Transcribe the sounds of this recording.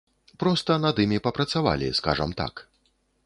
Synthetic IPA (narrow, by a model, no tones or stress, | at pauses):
pɾɔst̪ɐnɐd̪imʲipɐpɾɐt̪sava̰lʲḭska̰ʐɐ̰mt̪a̰k